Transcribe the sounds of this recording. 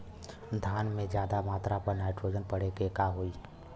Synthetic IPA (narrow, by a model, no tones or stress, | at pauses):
d̪ʱaːnmẽd͡ʒjaːd̪amaːt̪ɾapəɾnaɪʈɾoːd͡ʒənpəɽekekaɦoi